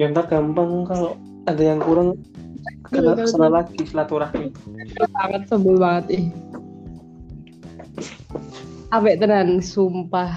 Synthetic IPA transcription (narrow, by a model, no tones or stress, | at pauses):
jant̪aɡ̥ampaŋkaloʔ | adajaŋkuɾaŋ | ənasənalakisəlat̪uɾahniklaaŋət̪̚səbʊlbaŋət̪ih | abɛʔt̪ənansumpah